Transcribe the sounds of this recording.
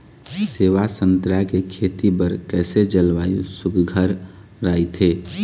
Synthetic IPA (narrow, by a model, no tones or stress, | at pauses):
seːʋasənt̪ɾakekʰeːt̪ibəɾkɛːsed͡ʒəlʋaːjusʊkɡʱəɾː | aːit̪ʰeː